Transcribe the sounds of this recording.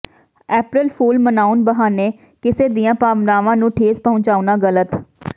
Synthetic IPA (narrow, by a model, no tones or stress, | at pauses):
ɛːpɾɪlpʰuːlmənaːunbəɦaːneː | kɪseːd̪ijãːpaːʋnaːʋãːnũːʈʰeːspəɦʊ̃ɲt͡ʃaːunaːɡələt̪